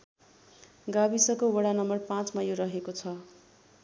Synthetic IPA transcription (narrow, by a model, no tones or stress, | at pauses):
ɡabisʌkowʌɽanʌmʌrpãt͡smajoɾʌɦekot͡sʰʌ